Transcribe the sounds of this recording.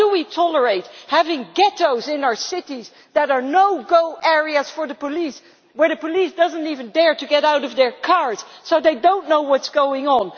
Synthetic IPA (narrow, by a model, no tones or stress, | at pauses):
dəwitʰɔlˠə˞eɪt̚hævɪ̃ŋɡɛɾoʊzɪ̃naʊə˞sɪɾiz | ðɨɾə˞noʊɡoʊʔɛɹiɨz̥fə˞ðəpəlis | wə˞ðɨpʰəlisd̥ʌzə̃ntivɨ̃ndɛɹtɨɡɛɾaʊɾʌvðə˞kʰɑɹz̥soʊðeɪdõʊ̃nːoʊwʌtsɡ̥oʊɪ̃ŋə̃n